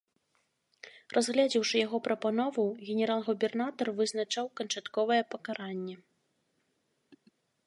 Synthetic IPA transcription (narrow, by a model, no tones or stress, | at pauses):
rʔazɣlʲad͡zʲiwʂɨjaɣɔpɾɐpanɔvuɣʲɛnʲɛɾalˠɣubʲɛrnat̪ɐrvɨznat͡ʂawkɐnt͡ʂat̪kɔvɐjɛpɐkaɾanʲːɛ